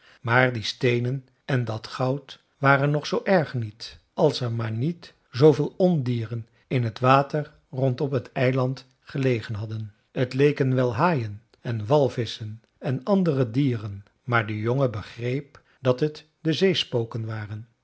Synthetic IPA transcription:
maːɹdistejnən | ɛndɑtχɑwt | ʋaːrənːɔχsowʔɛɹχnit | ʔɑlˠsɛɹmaːɹnit | zowvɪːlˠɔndiːrən | ɪnɦətʋaːtəɹ | rɔntɔpɦətɛjlɑnt | χəlejχənɦɑdən | ətlejkənʋɛlˠɦaːjən | ɛnʋɑlˠvɪsən | ɛnɑndərədiːrən | maːɹdəjoŋəbəχrejp | d̥ɑtɦət | dəzejspowkənʋaːrən

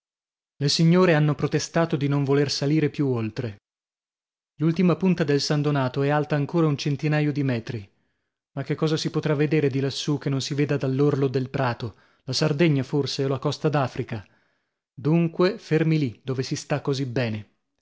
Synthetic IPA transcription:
lesiɲːoːɾeanːopɾot̪est̪aːt̪od̪inoɱvolersaliːɾepjuolt̪ɾe | lult̪imapunt̪ad̪elsand̪onaːt̪oɛalt̪aːŋkoːɾaunt͡ʃent̪inajod̪imɛːt̪ɾi | makːekːɔːzasipot̪ɾavːed̪eːɾed̪ilasːuk̟enːonsiveːd̪ad̪alːorlod̪elpɾaːt̪o | lasard̪eɲːaforseolakɔst̪ad̪aːfɾika | d̪uŋkwefermilid̪̥oːvesist̪akːozibɛːne

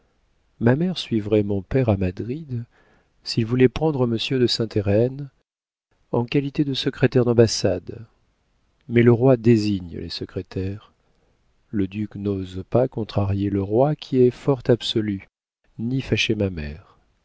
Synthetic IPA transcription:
mamɛʁsɥivʁɛmɔ̃pɛʁamad̪ʁid̪ | silvulɛpχɑ̃d̪ʁəməsjød̪əsɛ̃t̪eʁɛn | ɑ̃kalit̪ed̪əsəkχet̪ɛʁd̪ɑ̃basad̪ | mɛləʁwad̪eziɲlḛsəkχet̪ʰɛʁ | ləd̪yknozpakɔ̃t̪χaʁjeləʁwakʲʰiɛfɔʁt̪absɔly | nifaʃemamɛ̰ʁ

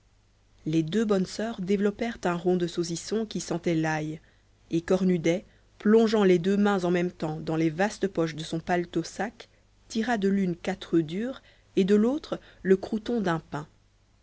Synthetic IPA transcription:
led̪øbɔnsœːʁd̪evlɔpɛʁt̪ɛ̃ʁɔ̃d̪əsozisɔ̃kʲisɑ̃t̪ɛlaj | ekɔʁnyd̪ɛ | plɔ̃ʒɑ̃led̪ømɛ̃zɑ̃mɛmt̪ɑ̃d̪ɑ̃levast̪əpɔʃ̬d̪əsɔ̃palt̪osak | t̪iʁad̪əlynkat̪χəd̪yːʁ | ed̪əlot̪χləkχut̪ɔ̃d̪ɛ̃pɛ̃

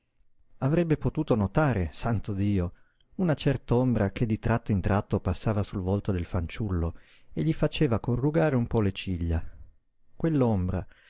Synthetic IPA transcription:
avɾɛbːepot̪uːt̪onot̪aːɾesant̪od̪iːo | unat͡ʃɛrt̪aombɾak̟ed̪ːit̪ɾat̪ːoint̪ɾʔat̪ːopasːaːvasulvolt̪od̪elfant͡ʃulːo | eʎːifat͡ʃeːvakorːuɡaːɾeumpɔlet͡ʃiʎːa | kwelːombɾa̰

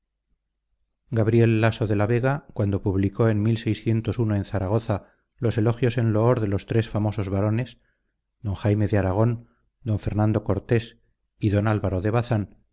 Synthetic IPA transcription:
ɡaβɾje̞lːaso̞ðe̞laβe̞ɣakwand̪o̞puβliko̞e̞nmilsejsθje̞nt̪o̞sunoẽ̞nθaɾaɣ̞o̞θa | lo̞se̞lo̞xjo̞se̞nlooɾðe̞lo̞st̪ɾe̞sfamo̞so̞zβaɾo̞ne̞s | d̪o̞ŋxajme̞ðeaɾaɣ̞o̞n | d̪o̞ɱfe̞ɾnãnd̪o̞ko̞ɾt̪e̞s | iðo̞nalβaɾoðe̞βaθan

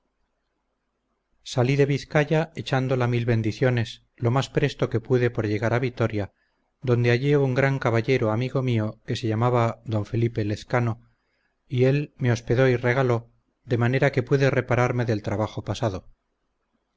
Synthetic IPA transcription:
saliðe̞βiθkaʝae̞t͡ʃand̪o̞lamilβe̞nd̪iθjo̞ne̞s | lo̞maspɾe̞st̪o̞ke̞puðe̞po̞ɾʎe̞ɣaɾaβit̪o̞ɾja | ðo̞nd̪e̞aʎiouŋɡɾaŋkaβaʎe̞ɾoamiɣo̞mio̞ke̞se̞ʎamaβaðo̞ɱfe̞lipe̞le̞θkano̞ | ie̞lme̞o̞spe̞ðo̞ire̞ɣalo̞ | d̪e̞mane̞ɾake̞puðe̞re̞paɾaɾme̞ðe̞lt̪ɾaβaχo̞pasað̞o̞

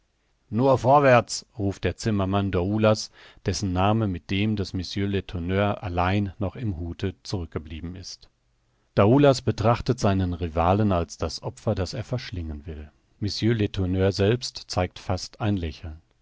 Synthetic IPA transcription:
nuːɐfɔɐvɛɐt͡sʁuːft̚d̥eːɐt͡sɪmɐmandaulas | d̥ɛsn̩naːməmɪt̚d̥eːmdasmʏsjøletʰonøːɐʔalaɪnːɔχɪmhuːtʰət͡suʁʏk̚ɡ̥əbliːbm̩ɪst | d̥auːlasb̥ətʁ̥aχtətz̥aɪnənʁivaːlənalsd̥asʔɔpfɐdaseːɐfɛɐʃlɪŋənvɪl | mʏsjøletʰʊnøːɐzɛlpstt͡saɪk̚tfastaɪnlɛçl̩n

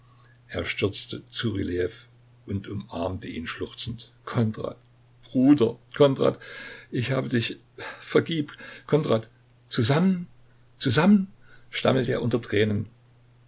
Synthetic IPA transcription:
ʔeːɐʃtʏɐt͡stət͡suʁilɛf | ʔʊntʊmʔaɐmtəʔḭːnʃlʊχt͡sn̩tkʰɔnʁa̰ːt̚ | b̥ʁ̥uːdɐkʰɔntʁa̰ːtʔɪçhaːbədɪç | fɛɐɡiːptkʰɔntʁaːt | t͡suzamən | t͡suzamənʃta̰məl̩təeːɐʔʊntɐtʁ̥ɛːnən

